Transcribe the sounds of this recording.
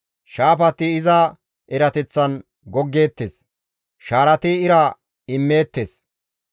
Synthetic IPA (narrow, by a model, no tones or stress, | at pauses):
ʃaːpɐt̪ːɪɪzɐ | ɛɾɐt̪ɛt͡sːɐn | ɡɔɡːeːt̪ːes | ʃaːɾɐt̪ɪɪɾɐ | ɪmːe̞ːt̪ːes